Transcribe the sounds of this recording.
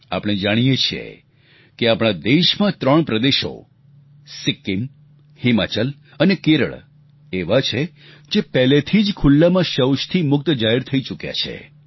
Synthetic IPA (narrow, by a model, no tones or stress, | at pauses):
a̰pɽ̃ed͡ʒaɽ̃ijet͡ʃʰijḛ | keapɽ̃ad̪eʃmãt̪ɾəɳpɾəd̪eʃo̰ | sɪkːim | hima̰t͡ʃəl | ənekeɾə̰ɭ | eʋat͡ʃʰe | d͡ʒepɛlet̪ʰid͡ʒkʰʊlːamãʃəwʃt̪ʰimʊk̚t̪d͡ʒaɦɛɾt̪ʰəit͡ʃukja̰t͡ʃʰḛ